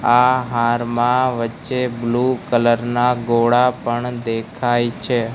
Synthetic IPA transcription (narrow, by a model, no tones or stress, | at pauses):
aɦaɾmãʋətːʃeblukələɾnaɡoɽapəɳd̪ekʰajt͡ʃʰe